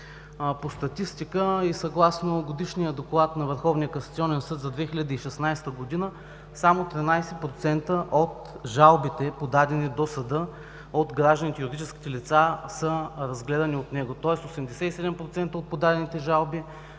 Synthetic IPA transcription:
post̪ɐt̪ist̪ikəisɐɡlˠasnoɡod̪iʃnijəd̪oklˠat̪nɐvəɾxɔvnijəkoɐnsɐt̪siɔnɛnsɤt̪zɐd̪vɛxilʲɐd̪əiʃɛsnajst̪əɡod̪inə | samot̪ɾinajsɛpɾot̪sɛnt̪əʔot̪ | ʒalˠbit̪ɛpod̪ad̪ɛnid̪osɐd̪ɤ | ot̪ɡɾaʒd̪ənit̪ɛjuɾid̪it͡ʃɛskʲi̥t̪ɛlit̪sasəɾɐzɡlɛd̪ɐniot̪nɛɡot̪ɔɛsosɛmd̪ɛsɛisɛd̪ɛmpɾot̪sɛnt̪əot̪̚pod̪ad̪ɛnit̪ɛʒalˠbi

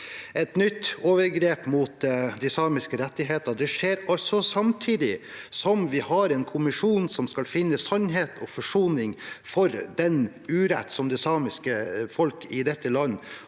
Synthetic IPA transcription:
ɛt̪nʏt̪ːoːʋəɾɡɾeːpmuːt̪d̪ɪsɑːmɪskəɾɛt̪ːɪɦeːt̪əd̪ɛʂeːɾɑlsɔsɑmt̪ʰiːd̪ɪsɔmʋɪhɑɾɛːnkʰʊmɪʂuːnsɔmskɑlfɪnːəsœnɦeːt̪ɔfɔʂuːnɪŋfɔɾd̪ɛn | ʉːɾɛ̰t̪ːsɔmd̪ɛsɑːmɪskəfɔlkɪd̪ɛt̪ːəlɑnː

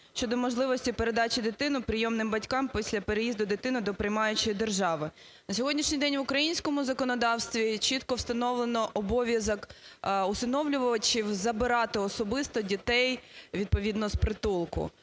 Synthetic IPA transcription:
ʃʲt͡ʃɔd̪ɔmɔʒlˠɪʋɔsʲtʲipeɾe̞d̪ɑt͡ʃɪd̪ɪt̪ɪnʊpɾʲɪjɔmnɪmbɐtʲkɑmpʲisʲlʲɐpeɾejizd̪ʊd̪ɪt̪ɪnʊd̪ɔpɾɪjmɑjʊt͡ʃɔjid̪erʒɑʋɪ | nɐsʲɔɦɔdʲnʲiʃnʲijd̪ɛnʲʋʊkɾɐjinʲsʲkɔmʊzɐkɔnɔd̪ɑwst̪ʋʲit͡ʃit̪kɔwst̪ɐnɔʋlˠenɔʔɔbɔʋʲjɐzɔkʊsɪnɔʋlʲʊʋɔʋɐt͡ʃiwzɐbɪɾɑt̪ɪɔsɔbɪst̪ɔdʲit̪ɛjʋʲid̪̚pɔʋʲid̪nɔspɾɪt̪ulˠkʊ̰

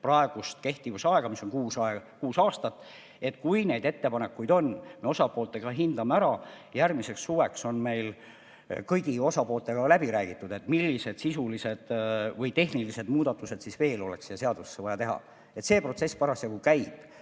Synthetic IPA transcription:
prɑe̞ɡ̥ust̪ke̞ht̪ivusɑeɡ̥ɑmisːo̞nkuːsɑekuːsɑːst̪ɑt̪ːˑ | et̪ːkujne̞jd̪e̞t̪ːepɑne̞kːujd̪o̞nme̞o̞sɑpˑoːlt̪ːˑe̞ɡ̥ɑɦind̪ɑmeæɾɑ | jærmise̞ksːuːwe̞kso̞nme̞jl | kɤjɡio̞sɑpo̞ːlt̪ˑe̞ɡ̥ɑlæbiɾæːɡ̥it̪ːˑud̪e̞t̪ːˑmilːise̞d̪̥sisulise̞d̪̥vɤjt̪e̞ɦnilise̞d̪muːd̪ɑt̪ːˑuse̞d̪̥sisve̞ːlo̞lekseeseɑd̪̥ussːevɑjɑt̪eɦɑ̰ | e̞t̪se̞ːpro̞t̪se̞sːpɑɾɑsjɑɡukæjb̥

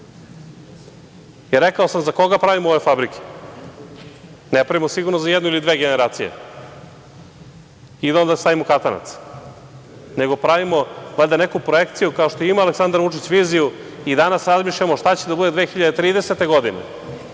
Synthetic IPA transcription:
iɾekaosamzako̞ɡapɾaʋimooʋe̞fabɾike̥ | nepɾaʋimosiɡuɾnozajed̪noilid̪vʋeːɡe̞neɾaːt̪sijḛ | id̪aond̪ast̪aʋimokat̪ana̰t̪s | ne̞ɡo̞pɾaʋimoʋalʲd̪anekupɾoekt̪sijukaoʃt̪oimaːleksand̪ɾvut͡ʂit͡ɕʋiːzijuid̪anasɾazmiʃʎamoʃt̪at͡ɕed̪abud̪eʋe̞ːxiʎad̪et̪ɾiːd̪eset̪e̞ɡo̞d̪inḛ

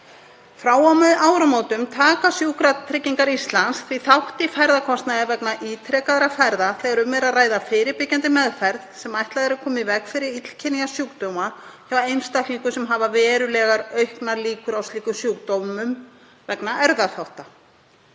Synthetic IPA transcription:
fɾaːwawmɛðaːwɾamoːwt̪ʏmt̪ʰaːkasjukɾat̪ʰɾɪcːiŋkaɾist̪lansθviθawht̪ɪfɛɾðakʰɔst̪naðɛɾvɛknaʔiːt̪ʰɾɛːkaðaɾafɛɾðaθɛːɣaɾʏmːɛɾaðraːjðafɪːɾɪɾpɪcːant̪ɪmɛðfɛɾðsɛmajht̪laðɛɾʏɾkʰɔːmɪvɛkfɪɾɪɾit̪l̥cʰɪnijasjuːkt̪owmaçawejnst̪aht̪liŋkʏsɛmɦaːvavɛːɾʏlɛːɣaɾœɥhknaɾliːkʏɾawsliːkʏsjuːkt̪owmʏm | vɛknaʔɛɾðaθawht̪a

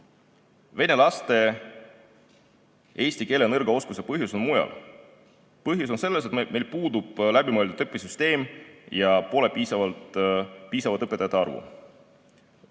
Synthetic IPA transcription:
ve̞ne̞lɑst̪e̞ | e̞ːsʲt̪ike̞ːlenɤrɡ̥ɑo̞skusepɤɦjusonmujɑ̰l | pɤɦjus̬onse̞lːes̬e̞t̪me̞jlpuːd̪ub̥læbimɤelʲt̪ut̪ɤpːˑisyst̪e̞ːmjɑpo̞le̞piːsɑvɑlt̪piːsɑvɑt̪ɤpːˑet̪ːˑɑjɑt̪ːˑeɑrvṵ

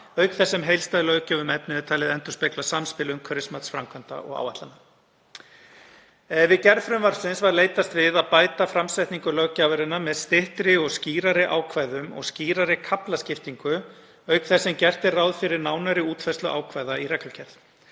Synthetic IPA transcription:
œːɥkθɛsːɛmɦejlst̪aðlœɥcavʏmɛpnɪɪt̪ʰaːlɪðɛnt̪ʏ̥spejklasamspɪlʏmkʰœɾɪsmat̪sfɾamkʰvant̪a̰ʔɔ̰ɣa̰waht̪ana | ɛvɪðcɛɾðfɾʏmvaɾsɪnsvaɾleːjt̪ast̪vɪðaðpaːjt̪afɾamsajht̪niŋkʏlœɣcaːvaɾɪnːamɛðst̪ɪht̪ɾɪɔɣsciːɾaɾɪʔa̰ːwkʰvaːjðʏmɔ̰ɣsciːɾaɾɪkʰaplascɪft̪iŋkʏ | œɥkθɛsːɛmcɛr̥t̪ɪrawðfɪɾɪɾnaːwnaɾɪuːt̪fɛst̪lʏʔa̰ːwkʰvaːjðairɛklacʰɛɾθ

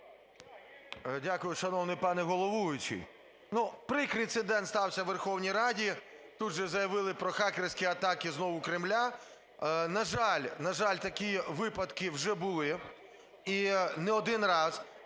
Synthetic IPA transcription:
dʲakʊjʊʃɐnɔwnɪjpɑnɛɦɔlˠɔʋuʋɪt͡ʃɪ̰j | nupɾɪkɾɪnt̪sɪd̪ɛnst̪ɑwsʲɐʋerxɔwnʲijɾɑdʲi | t̪ud̪ʒɛzɐjɐʋɪlˠɪpɾɔxɑkeɾʲsʲkʲiɐt̪ɑkɪznɔʋʊkɾɪmlʲa | nɐʒɑlʲnɐʒɑlʲt̪ɐkʲiʋɪpɐd̪kɪwʒɛbʊlˠɪ | inɛɔd̪ɪnrɑz

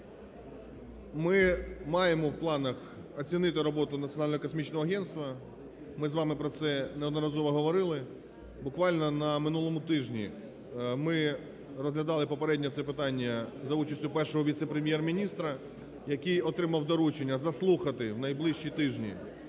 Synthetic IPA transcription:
mɪmɑjemɔwplˠɑnɐx | ɔt͡sʲinɪt̪ɪɾɔbɔt̪ʊnɐt̪ʲiɔnɑlʲnɔɦɔkɔs̬mʲit͡ʃnɔɦɔɐɦɛnst̪ʋɐ | mɪzʋɑmɪpɾɔt̪sɛnɛɔd̪nɔɾɐzɔʋɔɦɔʋɔɾɪlˠɪ | bʊkʋɑlʲnɔnɐmɪnulˠɔmʊt̪ɪʒnʲḭ | mɪ | rɔzɦlʲɐd̪ɑlˠɪpɔpeɾɛdʲnʲɔt̪sɛpɪt̪ɑnʲːɐzɐut͡ʃɐsʲtʲʊpɛrʃɔɦɔʋʲit̪sɛpɾemʲjɛrmʲinʲist̪ɾɐ | jɐkijɔt̪ɾɪmɐwd̪ɔɾut͡ʃenʲːɐzɐslˠuxɐt̪ɪwnɐjblˠɪʃt͡ʃit̪ɪʒnʲḭ

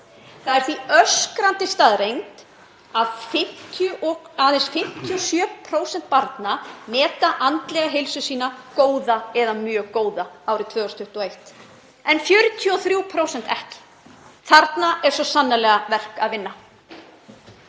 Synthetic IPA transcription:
θaðɛɾ̥θviœskɾant̪ɪst̪aðɾejŋt̪ | aðfɪ̥t̪ʰʏaensfɪm̥t̪ʰjɔsjœːpʰɾoːwsɛn̥t̪̚paɾt̪namɛːt̪aʔant̪lɛɣaɦejlsʏsiːnakoːwðaɛðamjœːɣkoːwðaaːwɾɪt̪ʰvœːɣɔst̪ʰʏht̪ɔejht̪ | ɛnfjœɾʏt̪ʰjiɔθɾjuwpʰɾowsɛn̥t̪ɛhcɪ̥ | θaɾt̪naɛɾ̥sɔsanːalɛɣavɛr̥kaðvɪnːa

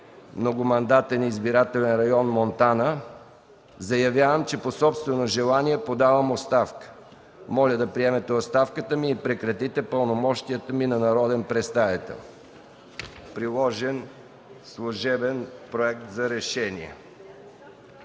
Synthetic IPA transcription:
mnoɡʊmɐnd̪at̪ɛnizbiɾat̪ɛlʲɛnɾɐjɔnmont̪anə | zɐjɐvʲjavəmt͡ʃɛposɔpst̪vɛnoʒɛlˠaniɛpod̪avɐmot̪st̪afkə̥ | mɔlʲəd̪ɐpɾiɛmɛt̪ɛot̪st̪afkət̪əmiːpɾɛkɾɐt̪it̪ɛpəlˠnomɔʃt̪ijət̪əminɐnɐɾɔd̪ɛnpɾɛst̪ajɛt̪ɛ̰lˠ | pɾilˠɔʒɛn | slˠoʒɛbɛnpɾoɛk̚t̪zɐɾɛʃɛnḭɛ̰

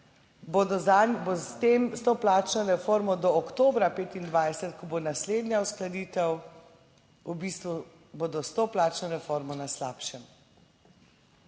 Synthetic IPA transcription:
bod̪ɔanbost̪emst̪oplaːt͡ʃnɔɾɛfoːɾmɔd̪ɔːkt̪oːbɾapeːt̪ind̪ʋaːjsɛt̪kɔbonasleːd̪njausklad̪iːt̪ɛw | ubist̪ʋu | boːd̪ɔst̪oːplaːt͡ʃnɔɾɛfoːɾmɔnaslaːpʃɛm

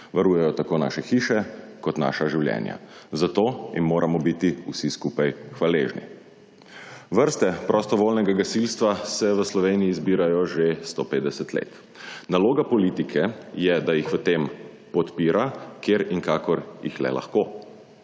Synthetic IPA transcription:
ʋaɾuːjɛjɔt̪akoːna̰ːʃɛxiːʃɛ | kɔt̪na̰ːʃaʒiwljɛ̰ːnja̰zat̪oːinmoːɾʔamɔbit̪iusiskupajxʋaleːʒnḭ | ʋəɾst̪ɛpɾɔst̪ɔʋoːlnɛɡaɡasilst̪ʋasɛʋəslɔʋeːniiːzbiːɾajɔʒest̪opeːd̪ɛsət̪lḛːt̪ | naloːɡapɔlit̪ikʰɛjɛd̪ajixʋət̪em | pɔt̪piːɾʔakʰeːɾiŋkaːkɔɾjḭxlɛ̰la̰xkoː

